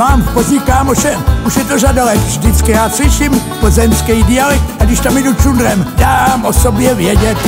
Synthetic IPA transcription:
aːmpo̞zɲɪkaːmoʃɛmuʃjɛt̪oʒadalɛt̪ʒdɪt͡skɪjaːslɪʃɪmpozɛmskɛjdɪalɛkaɡdɪʃt̪amjɛdut͡ʃund̪ɾɛmdaːmʔo̞sobjɛvjɛɟɛt̪

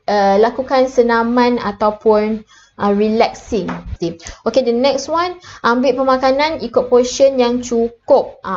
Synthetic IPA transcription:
əlakukansənãmãna̰t̪awpʊn | əɹilɛk̚sĩŋdiokedənɛkswãnʔãmbɪʔ̚pəmãkanãnikʊt̪̚pɔʃənjaŋt͡ʃukup̚

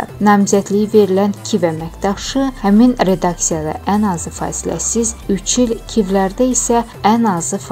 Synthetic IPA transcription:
nɑmzæd̪lijive̞ɾilæncʲʰivæmækd̪ɑʃɯhæminɾe̞d̪ɑksijɑd̪ɑ̰ʔænɑzɯfɑ̰ːsilæ̰sizyt͡ʃʰilcʰivlæɾd̪æisæ | ænɑzɯf

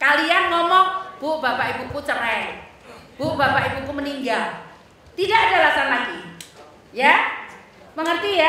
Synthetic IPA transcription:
kalianŋɔmɔŋb̥uʔbapaʔibukut͡ʃəɾɛ | b̥uʔb̥apaʔibukuməniŋɡal | t̪idaʔadalasanlaɡi | ja | məŋərt̪ija

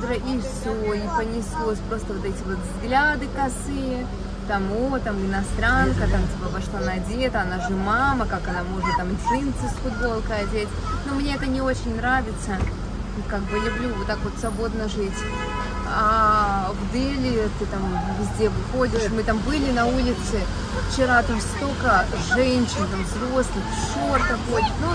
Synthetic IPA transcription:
d̪ɾɐʔifsʲoipənʲɪslˠosʲpɾo̞st̪əvo̞t̪ɛtʲɪvo̞t̪vzɡlʲad̪ɨkɐsɨ | t̪amot̪amɪnɐst̪ɾankət̪amtʲipəvɐʂt̪ˠanadʲet̪əɐnaʐɨmaməkakɐnamo̞ʐnət̪amʲʂinʲt̪sɨsʲfʊd̪̚bo̞lˠkəɐdʲetʲ | nomnʲeɛt̪ənʲɪo̞t͡ɕɪnʲnɾavʲɪt̪sə | kaɡ̚bɨlʲʊblʲuvot̪ːakvo̞t̪svɐbo̞d̪nəʐɨtʲ | avd̪ɛlʲɪt̪ɨt̪amvʲɪzʲdʲevɨxodʲɪʂmɨt̪ambɨlʲɪnɐulʲɪt̪sɨ | ft͡ɕɪɾat̪amsʲt̪o̞kə | ʐɛnʲɕɪnt̪amvzɾo̞slˠɨx | ɕort̪ɐxodʲɪt̪no

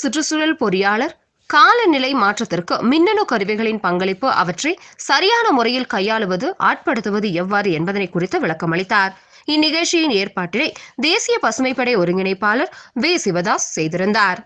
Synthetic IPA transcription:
sɪʈrɯsʊɾɐlpɔɾɪjaːɭɐɾ | kaːlɐnɪlɐɪmaːʈrɐt̪ːɪrkɯmɪnːɐnɯkɐɾɯʋɐɪɣɐɭɪnpɐŋɡɐɭɪpːɯʔɐ̰ʋɐʈrɐɪsɐɾɪjaːnɐmʊrɐjɪlkɐjːaːɭɯʋɐðɯʔa̰ːʈ̚pɐɽɯt̪ːɯʋɐðɯɛʋːaːɾɯɛnbɐðɐnɐɪkːʊrɪt̪ːɐʋɪɭɐkːɐmɐɭɪt̪ːaːɾ | ɪnːɪɣɐːʈt͡ʃːɪjɪneːɾpaːʈːɪlɐɪd̪eːsɪjɐpɐsɯmɐɪpːɐɽɐɪɔɾɯŋɡɪnɐɪpːaːlɐɾʋeːsɪʋɐðaːssɛjðɪɾɯnd̪aːɾ

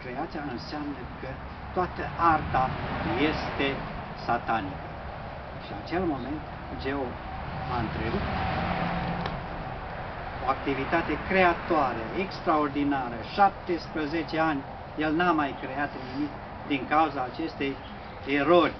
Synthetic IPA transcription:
kɾe̞at̪sijaɨnseamnəkə | t̪oat̪əʔart̪ajest̪e̞ | sat̪anikə | ʃinat͡ʃe̞lmo̞me̞nt̪ | d͡ʒe̞ov | aɨnt̪ɾebut̪ | oakt̪ivit̪at̪e̞kɾe̞at̪oaɾeʔekst̪ɾao̞rd̪inaɾəʃap̚t̪e̞spɾəze̞t͡ʃe̞anʲ | je̞lnamajkɾe̞at̪nimik | d̪iŋkauzaːt͡ʃe̞st̪e̞j | eɾo̞rʲ

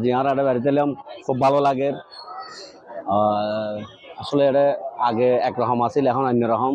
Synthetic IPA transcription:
aziãɾɛɾɛbaɾit̪̬ɛlijɔmkʰubʱːalɔlaɡɛɾ | asɔlɛɛɾɛaɡɛɛkɹɔɦɔmasilɛkʰɔnanːɔɾɔɦɔm

